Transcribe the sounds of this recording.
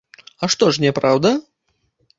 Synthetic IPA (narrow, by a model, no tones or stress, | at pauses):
ɐʂt̪ɔʂnʲɛpɾawd̪ɐ